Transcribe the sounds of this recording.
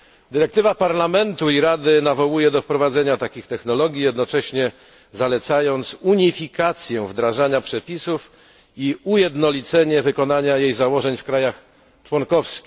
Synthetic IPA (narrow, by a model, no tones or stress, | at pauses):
d̪ɘɾɛkt̪ɘvapaɾlamɛnt̪uiɾad̪ɘnavɔwujɛd̪ɔfpɾɔvad̪zɛɲat̪akʲixt̪ɛxnɔlɔɡʲjijɛd̪nɔt͡ʂɛɕɲɛ | zalɛt̪sajɔnt̪suɲifʲikat̪sʲjɛ̃vd̪ɾaʐaɲapʂɛpʲisuf | iujɛd̪nɔlʲit̪sɛɲɛvɘkɔnaɲajejzawɔʐɛɲfkɾajax | t͡ʂwɔnkɔfskʲi̥